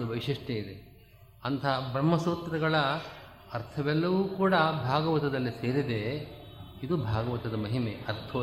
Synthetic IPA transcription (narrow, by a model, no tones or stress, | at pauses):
d̪uʋɐʋiʂiʂʈeid̪e | ɐnt̪ʰɐɦɐbɾɐmːɐsuːt̪ɾɐɡɐɭɐ | ɐɾt̪ʰɐʋɛlːɐʋuːkuːɽɐbʱaːɡɐʋɐt̪ɐd̪ɐlːiseːɾid̪e | id̪ubʱaːɡɐʋɐt̪ɐd̪ɐmɐɦimeːɐɾt̪ʰɐ